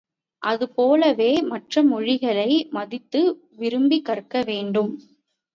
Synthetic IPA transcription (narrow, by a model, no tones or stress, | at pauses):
ʔɐðɯpoːlɐʋeːmɐʈrɐmɔɻɪɣɐɭɐɪmɐðɪt̪ːɯ | ʋɪɾɯmbikːɐrkːɐʋeːɳɖɯm